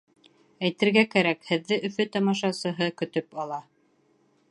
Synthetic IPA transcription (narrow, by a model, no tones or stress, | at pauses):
æjt̪ɘ̆ɾɡækæɾækhɘ̆ðːɘʔɵ̆fɵt̪ɑmɑʃɑsɤ̆ɦɤkɵ̆t̪ɵpɑlˠɑ